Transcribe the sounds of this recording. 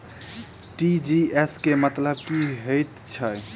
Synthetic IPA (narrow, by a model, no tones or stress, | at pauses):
ʈid͡ʒieskemət̪ləbkiɦəjt̪t͡ʃʰə